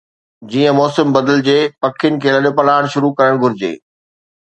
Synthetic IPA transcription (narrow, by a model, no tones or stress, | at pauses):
d͡ʑiːə̃mɔːsəmbɐd̪əld͡ʑeːpɐkʰɪjʊnɪ̆kʰeːlɐɗopɐlaːɪɽ̃ʃʊɾukɐɾəɽ̃ɡʱʊɾɪd͡ʑḛː